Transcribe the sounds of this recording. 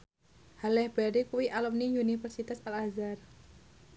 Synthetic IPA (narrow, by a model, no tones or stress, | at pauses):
halɛhbɛɾikuwiʔalɔmnijunifɛrsit̪asalazar